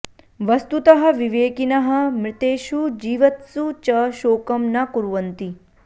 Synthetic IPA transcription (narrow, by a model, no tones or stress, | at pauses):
ʋɐst̪ut̪ɐɦɐ̆ʋiʋeːkinɐɦɐ̆mɾɪt̪eːʃud͡ʒiːʋɐt̪sut͡ʃɐʃoːkɐmnɐkuɾuʋɐnt̪i